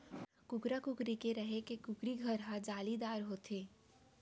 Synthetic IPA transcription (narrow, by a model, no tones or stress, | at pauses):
kʊkɾakʊkɾikeɾɐɦekekʊkɾiɡʱɐɾɦad͡ʒaːlid̪aːɾɦoːt̪ʰeː